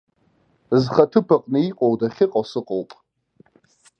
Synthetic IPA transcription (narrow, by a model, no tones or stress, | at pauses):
zχatʰɨpʰaqʼnɨiqʼowdaχʲɪqʼasɨqʼowpʼ